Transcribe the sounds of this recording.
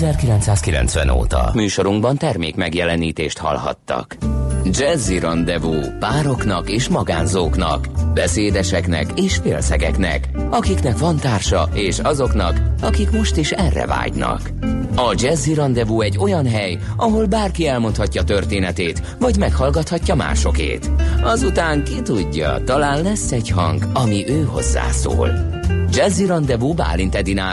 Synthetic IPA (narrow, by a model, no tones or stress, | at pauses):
zɛrkilɛnt̪saːskilɛ̰nsʋɛ̰no̰ːt̪ɒ̰myːʃo̞ɾuŋɡbɒnt̪ɛrmḛːkmɛɡjɛlɛniːt̪eːʃt̪hɒ̰lhɒ̰t̪ːɒ̰kd͡ʒɛzːiɾɒnd̪ɛvuːpaːɾo̞knɒkeːʃmɒɡa̰ːnzoːknɒ̰kbɛseːd̪ɛʃɛknɛ̰keːʃfeːlsɛɡɛknɛ̰kɒkiknɛkʋɒnt̪aːrʃɒeːʃɒzo̞kn̪ɒkɒkikmo̞ʃt̪iʃɛrːɛ̰va̰ːɟnɒ̰k | ɒd͡ʒɛzːiɾɒnd̪ɛvuːɛɟːo̞jɒnɦɛj | ɒɦo̞lbaːrkiɛlmo̞nt̪hɒcːɒt̪ø̞rt̪eːnɛt̪eːt̪ | vɒɟmɛkhɒlɡɒt̪hɒcːɒma̰ːʃo̞kḛːt̪ɒzut̪aːŋkit̪uɟːɒ̰t̪ɒlaːnlɛsːɛɟhɒ̰ŋɡɒmiʔøːɦo̞̰zːa̰ːso̰ːl | d͡ʒɛzːiɾɒnd̪ɛvuːba̰ːlint̪ɛd̪inaː